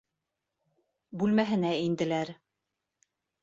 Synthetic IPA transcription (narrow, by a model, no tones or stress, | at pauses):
bʉlmæɦɘ̆næind̪ɘ̆læɾ